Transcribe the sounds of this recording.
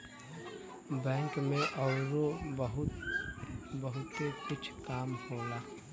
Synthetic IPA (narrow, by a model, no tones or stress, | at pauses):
bɛ̃ːŋkmẽʔɔːɾobəɦʊt̪ | bəɦʊt̪ekʊt͡ʃʰkaːmhoːɡaː